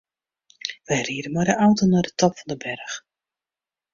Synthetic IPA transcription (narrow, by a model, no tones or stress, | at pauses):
ʋɛjriədənmɔjdəʔawtonɔdətɔpfɔndəbɛrx